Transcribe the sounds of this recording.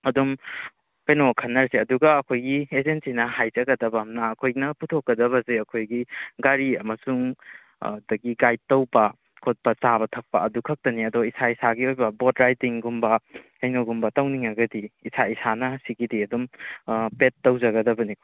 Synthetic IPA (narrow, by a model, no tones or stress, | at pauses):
ɐdum | kɐjnokʰɐnːɐɾseɐduɡɐːkʰojɡiezensinɐhajzɐɡɐdɐbɐmnɐːkʰojnɐputʰokːɐdɐβɐzeɐkʰojɡiɡaɾiɐmɐsuŋ | dɐɡiɡaj̚tːɐwbɐ | kʰot̚pɐt͡ʃabɐtʰɐk̚pɐɐdukʰɐk̚tɐniɐdoisaisaɡiojbɐbodɾajtiŋɡumbɐ | ɐjnoɡumbɐtɐwniŋɐɡɐdiːsaisanɐsiɡidiɐdumpetːɐwzɐɡɐdɐbɐnik